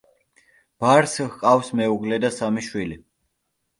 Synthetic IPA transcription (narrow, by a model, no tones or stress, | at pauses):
b̥aɾsqʼafsmɛuɡlɛd̪asamiʃwili